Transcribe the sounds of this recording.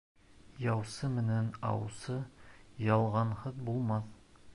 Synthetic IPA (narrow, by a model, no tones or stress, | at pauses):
jɑwsɤmɘ̆nænɑ̰wsɤjɑlˠʁɑnhɤðbulˠmɑθ